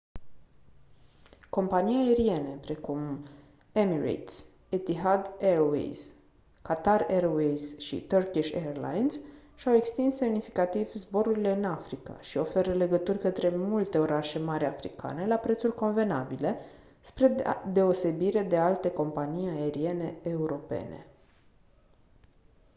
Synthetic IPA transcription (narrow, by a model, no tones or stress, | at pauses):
ko̞mpanijae̞ɾie̞ne̞pɾe̞kum | emirḛt̪sʲ | et̪iɦad̪eɾoḛjz̥ | kat̪areɾowejzʃḭt̪ərkiʃʲḛrla̰jnsʃawe̞kst̪insːe̞mnifikat̪ivzbo̞ɾuɾile̞ɨnafɾika̰ʃio̞fe̞ɾəle̞ɡət̪urʲkət̪ɾe̞mult̪e̞o̞ɾaʃe̞maɾʲafɾḭka̰ne̞lapɾe̞t̪sulʲko̞nve̞nabile̞ | spɾe̞d̪e̞o̞se̞biɾe̞d̪e̞alt̪e̞ko̞mpanijaeɾie̞ne̞ːuɾo̞pe̞̰ne̞̰